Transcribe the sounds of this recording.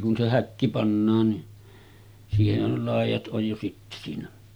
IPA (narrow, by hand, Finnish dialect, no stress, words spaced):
kun se hækːi pɑnːɑːn ni siːhehˑæj jo lɑˑijˑɑt ʔoj jo sitːe siːnæ